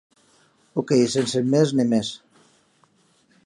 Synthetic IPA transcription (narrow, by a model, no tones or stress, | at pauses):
okejsensemeznimes